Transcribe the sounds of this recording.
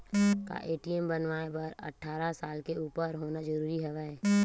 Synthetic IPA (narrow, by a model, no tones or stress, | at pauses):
ka̰ʔeːʈiɛmbənʋaːebəɾɐ̰ʈʰːaːɾasaːlkeuːpəɾɦoːnad͡ʒəɾuːɾiɦɛʋaɛː